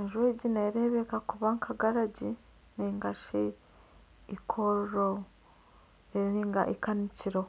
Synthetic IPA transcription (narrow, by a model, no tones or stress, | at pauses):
eʒweːɟineɾeβekakuβaŋkʰaɡaɾaɟi | neŋɡaʃe | ikʰoɾɾo | eɾiŋɡa̰ʔikaniciɾo